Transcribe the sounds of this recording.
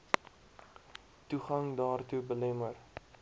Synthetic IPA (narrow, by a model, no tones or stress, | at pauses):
tuχɐŋdɑːrtubəlɛmər